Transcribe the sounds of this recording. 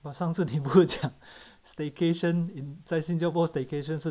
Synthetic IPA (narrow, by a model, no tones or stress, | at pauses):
masaŋs̩ʰnip̬uit͡ɕjaŋst̪ekʰeʃənint͡saɪsĩnt͡ɕjaʊpɔst̪ekeʃ̬əns̩